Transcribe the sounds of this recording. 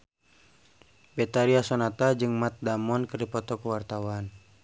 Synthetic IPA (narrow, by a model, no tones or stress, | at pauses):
bɛt̪aɾiasɔnat̪ad͡ʒɨŋmat̪̚damɔnkɨrdipɔt̪ɔkəwart̪awan